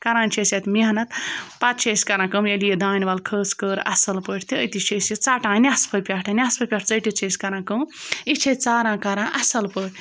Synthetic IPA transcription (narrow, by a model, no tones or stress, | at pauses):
kɐɾãːnʲt͡ʃʰesʲɐt̪ʲmiɐnɐt̪pat̪t͡ʃʰesʲkɐɾãːkɨmjelijed̪aːnʲʋalkʰəːskəːɾɐ̰sɐlpəːʈʰʲt̪ʰiəjt̪it͡ʃʰesit͡saːʈãːnʲaspʰɐpʲaʈʰɐnʲaspʰəpʲaʈʰt͡səʈit͡ʃʰeːsʲkɐɾãːkəmit͡ʃʰet͡saːɾãːkɐɾãːʔɐsɐlpəʈʰʲ